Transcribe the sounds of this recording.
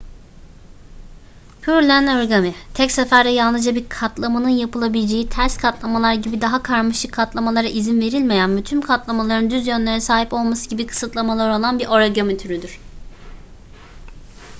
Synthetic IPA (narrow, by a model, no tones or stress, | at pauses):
pʰyɾlʲænoɾɡamit̪ʰɛcsafæɾd̪ɛjalˠnɯzd͡ʒabiɾkʰat̪lˠamanɯnjapɯlˠabilʲed͡ʒe̞jit̪ʰæɾskʰat̪lˠamalˠaɾɟibid̪aɦakʰaɾmaʃɯkʰːat̪lˠamalˠaɾaʔizinve̞ɾilʲmejænmyt̪ʰymkʰat̪lˠamalˠaɾɯnd̪yzjønlʲe̞ɾɛsaːɦipo̞lˠmasɯɟibikʰɯ̥sɯt̪ʰlˠamalˠaɾo̞lˠanbiɾʔo̞ɾaɟømit̪ʰyɾyd̪yɾ̥